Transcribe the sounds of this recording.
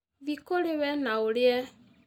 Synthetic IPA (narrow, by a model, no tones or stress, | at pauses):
βikoɾewɛnaoljɛ